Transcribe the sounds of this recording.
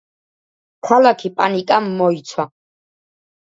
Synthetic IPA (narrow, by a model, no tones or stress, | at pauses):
kʰalakʰipʼa̰nikʼamːɔit̪sʰwa